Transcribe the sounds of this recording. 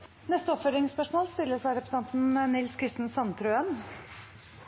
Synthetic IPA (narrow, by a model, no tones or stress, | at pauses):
nɛst̪əɔpfœd̪ɾɪŋspœʂmoːlst̪ɪlːəsʋɑɪɾɛpɾs̩ɑnt̪nnɪlskʰɾɪst̪n̩sɑnt̪ʰɾʉːən